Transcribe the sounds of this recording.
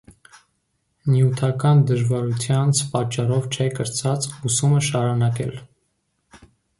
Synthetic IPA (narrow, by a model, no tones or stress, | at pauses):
njut̪ʰɑkɑnd̪əʒvɑɾut̪ʰjɑnt͡sʰpɑt͡ʃːɑrɔvt͡ʃʰɛkəɾt͡sɑt͡susuməʃɑɾunɑkɛ̰l